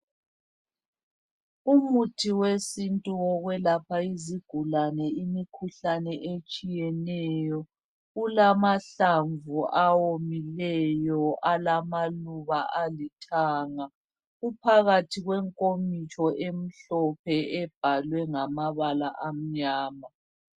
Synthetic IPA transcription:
umutʰiwesintʼuɔɣwɛlapʰaiziɡ̥ʱulanɛimikʰuɬanɛʔet͡ʃʼijɛnɛjɔ | ulamaɬaɱvuʔawomilɛjɔʔalamaluβaʔalitʰaːŋa | ɣupʰaɣatʰiɣwɛŋkʼomit͡ʃʼɔʔem̩ɬɔp̚ʰɛɛb̥ʱalwɛŋamaβalaʔam̩ɲaːma

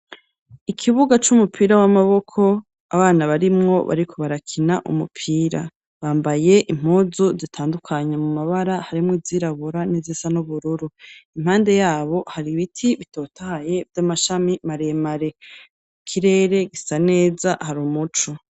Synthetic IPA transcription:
ikʰiβuɡat͡ʃumupʰiːɾawamaβo̞kʰo̞ | aβaːnaβaɾimŋo̞βa̰ɾikʰo̞βaɾakʰinaʔṵmupʰiːɾa̰ | βaːmbaje̞ʔim̥uːzuzitʰaːndukʰaɲemumaβaɾahaɾimwivziːɾaβuɾanizisanuβuɾuɾuimhaːnde̞jaːβo̞haɾiβitʰiβito̞ːtʰahaje̞vjamaʃamimaɾemaɾe̞ | kʰiɾe̞ːɾe̞ɡisane̞ːzahaɾuːmut͡ʃo

